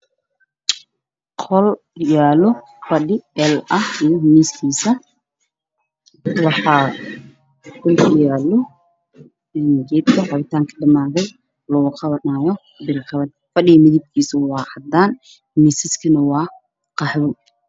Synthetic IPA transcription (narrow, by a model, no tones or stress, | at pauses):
qʰɔl | jaːlɔ | fɐɗɪɛlɐhijɔmiːskʰiːsɐ | wɑħɑ | qɔlkʰɐjaːlɔ | ɛnd͡ʒɛːd̪kʰɐħɑβɪt̪ʰaːŋkʰɐ̥ɖɐmaːðɛj | lɔɣʊqʰɑβɐnaːjɔ | bɪɾqɑβɐd̪ | fɐɖɪɣɐmɪðɪb̚kʰiːsɐwɑːʕɑd̪aːn | misɪskʰɐnɐwɑː | qɑħβʊ